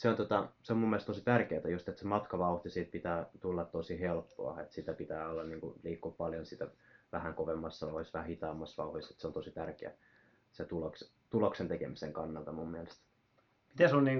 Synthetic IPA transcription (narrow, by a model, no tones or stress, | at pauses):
seont̪ot̪ɑseomumːelest̪osit̪ærkeːt̪æjust̪et̪semɑt̪kɑʋɑuht̪isiːt̪̚pit̪æːt̪ulːɑt̪t̪osihelpːo̰ɑ̰ḛt̪sit̪æpit̪æːolːɑnniːŋkuliːkːuppɑljonsit̪æʋæhæŋkoʋemːɑsːɑoisʋæhæhit̪ɑːmːɑsʋɑ̰uhoise̥t̪seont̪osit̪ærkeæ̰ | set̪uloks | t̪uloksent̪ekemisḛŋkɑnːɑlt̪ɑmumːielest̪ | mit̪æsonniːŋ